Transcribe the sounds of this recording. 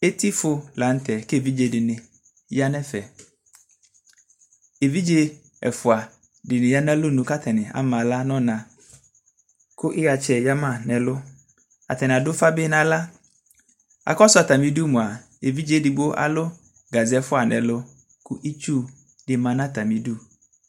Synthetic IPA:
e˦ti˦fʊ˦la˨n̩˦tɛ˨kvi˦d͡ʒe˨dɪ˨nɪ˨ | ja˦nɛ˦fɛ˨ | e˨vi˦d͡ʒe˦ | ɛ̰˨fʊ˨a˨ | dɪ˨nɪ̃˨ja˦nã˦lʊ˦˨nũ˨ka˦tʰɛ˨nɪ˨a̰˦mã˨la˦nɔ̃˦nã˨ | kʊ˦ʔɪ˦ɣa˨t͡ʃɛ˨ja˦mã˦˨nɛ˨lʊ˦ | a̰˨tɛ˨nɪ˨a˨dʊ˦fa˦bɪ˦nã˨la˦ | a̰˨kɔ˦sʊ˦a˨ta˨mĩ˨du˦˨mʊ̃˨a˨ | e˨vi˦d͡ʒe˦˨dɪ˨bo˦ʔa̰˦lʊ˦ | ɡa˨zɪ˨ɛ˦fʊ˦a˨nɛ˨lʊ˦ | kʊ˦ʔi˦t͡ʃu˦ | dɪ˨mã˨nã˦ta˨mĩ˨du˦

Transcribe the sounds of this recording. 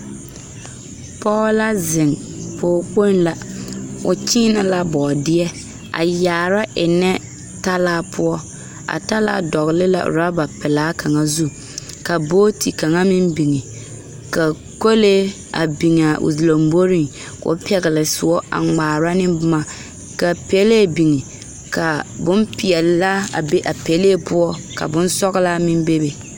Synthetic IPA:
pɔ˦la˦zɪ˨ŋ | pʰoː˨k͡po˦n˦la˨ʊ˨t͡ʃɪ˦na˨la˦bɔː˨dɪ˦ɛ˦ | a̰˨jaː˨ɾa˦ʔɪ˨nɛ˦ | ta˦laː˦pʰʊ˦ɔ˦ | a̰˨ta˦la̰ː˦dɔ˨ɣɪ˨lɪ˦la̰˨ɾa˦ba˨pɪ˨laː˨˦kʰa˨ŋa˦zu˦ | ka˨boː˦tʰi˨ka˨ŋa˦mɪ˦mbi˨ŋe˨ | ka˨ | ko˦le˦ | a̰˨bi˨ŋ˨a˨ʔṵ˨zlo˨m˦bo˦ɾɪ˦ŋ | ko̰˦pɛ˦ɣɪ˨lɪ˨sʊ˨ɔ˦ʔa̰˨ŋ͡maː˨ɾa˦nɪ˦bʊ˦ma˨ | ka˨pɛ˦le˦˨bi˨ŋi˨ | ka˨bʊ˦mpɪ˨ɛ˨lla˦a̰˨be˦ʔa˨pɛ˨˦leː˦pʊ˦ɔ˦ka̰˨bʊ˦n˦sɔ˦ɣɪ˦la˦mɪ˦mbe˦be˨

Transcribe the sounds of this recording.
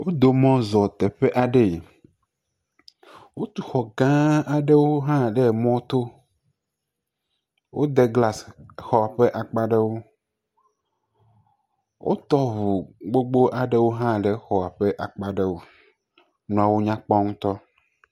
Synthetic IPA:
wo˦d̪o˨mɔ̃˦zɔ˨t̪ɛ˨ɸe˦ʔa˨ɖe˨ | wo˦t̪u˨xɔ˨ɡã˦a˨ɖe˦wo˦ɦã˦ɖɛ˨mɔ̃˦t̪o˦ | wʔo˦d̪ɛ˨ɡla˨sxɔ˨a˨ɸɛ˦ʔa˨k͡pa˦ɖe˦wo˦ | wʔo̰˦t̪ɔ˦βu˨ɡ͡bo˦ɡ͡bo˦ʔa˨ɖe˦wo˦ɦã˦ɖe˨xɔ˨a˨ɸɛ˦ʔa˨k͡pa˦ɖe˦wo˨ | nũ˨a˨wo˦ɲã˦k͡pɔ˦ŋũ˦t̪ɔ˦

